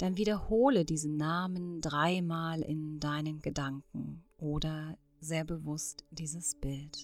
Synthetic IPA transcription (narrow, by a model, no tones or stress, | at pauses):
d̥anviːɾɐhoːlədiːzənnːaːməndʁaɪmaːlɪ̰ndaɪnənɡədaŋkŋ̩ʔoːdɐ | zeːɐbəvʊstd̥iːzəsb̥ɪlt